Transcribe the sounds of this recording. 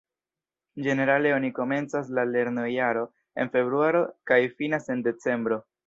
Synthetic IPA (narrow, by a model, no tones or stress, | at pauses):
d͡ʒe̞ne̞ɾale̞o̞niko̞me̞nt͡sas̬lale̞ɾnojaɾo̞ | e̞̰nfe̞βɾuaɾo̞kajfinase̞nde̞t͡se̞mbɾo̞